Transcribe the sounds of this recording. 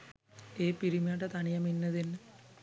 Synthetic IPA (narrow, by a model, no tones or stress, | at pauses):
eːpiɾimjaʈːɐt̪ɐɳijɐminːɐðin